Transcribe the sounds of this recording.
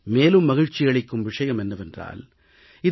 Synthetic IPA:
meːlɯmːɐɣɪɻt͡ʃːɪɣɐɭɪkːɯmʋɪʂɐjɐmɛnːɐʋɛndra̰ːl | ɪ

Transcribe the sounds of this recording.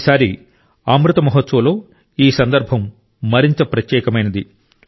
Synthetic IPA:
saːɾi | aːmɾut̪ɐmɐɦɐt̪ːsɐlo̞ː | iːsɐnd̪ɐɾbʱɐmː | ɐɾint̪ɐpɾɐt̪jɛːkɐmɐjnɐd̪i

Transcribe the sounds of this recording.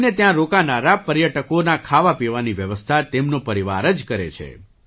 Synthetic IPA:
net̪jãɾokanaɾapəɾjəʈəkonakʰaʋapiʋaniʋjəʋəst̪ʰat̪emnõpəɾiʋa̰ɾəd͡ʒkəɾḛt͡ʃʰḛ

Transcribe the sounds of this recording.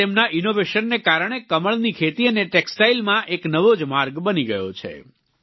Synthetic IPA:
emnaʔinoʋeʃənːekaɾəɳ̃ekəməɭnikʰet̪iəneʈeksʈailmãʔeknəʋod͡ʒmaɾɡbəniɡəjo̰t͡ʃʰḛ

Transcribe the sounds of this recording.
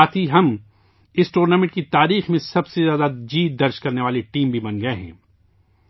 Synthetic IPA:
aːt̪ʰiɦɐm | ɪsʈuːɾnaːmɪ̃ɳʈkit̪aːɾiːxmẽsɐbsezjaːd̪ad͡ʒiːt̪̚d̪ɐɾd͡ʒkɐɾneʋaːleʈiːmbʱibɐnɡɐeɦɛ̰̃ː

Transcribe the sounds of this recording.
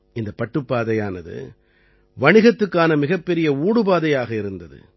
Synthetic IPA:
ɪnd̪ɐpːɐʈːɯpːaːðɐjaːnɐðɯ̰ | ʋɐɳɪɣɐt̪ːɯkːaːnɐmɪɣɐpːɛɾɪjɐuːɽɯbaːðɐjaːɣɐɪɾɯnd̪ɐðɯ̰

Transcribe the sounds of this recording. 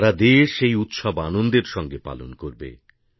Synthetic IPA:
ɾad̪eʃejut̪ʃɔbanond̪eɾʃɔŋɡepa̰lo̰nkoɾbḛ

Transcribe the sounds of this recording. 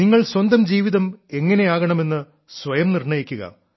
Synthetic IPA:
niŋːɐɭswɐnd̪ɐmd͡ʑiːʋiðɐme̞ŋːɐne̞aːɣɐɳɐme̞nːɨ | sʋɐjɐmnirɳɐjikʲːuɣɐ̰

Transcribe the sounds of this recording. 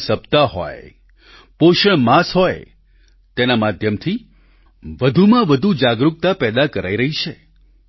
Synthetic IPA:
səbt̪aɦɔ̰j | poʃəɳmasɦɔj | t̪enamad̪ʱjəmt̪ʰi | ʋəd̪ʱumãʋəd̪ʱud͡ʒaɡɾuk̚t̪apɛd̪akəɾaiɾəɦit͡ʃʰe

